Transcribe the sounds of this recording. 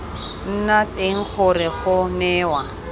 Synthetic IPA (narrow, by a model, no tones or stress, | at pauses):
n̩nateŋ̩k͡xʰʊrɪχʊnɛːwa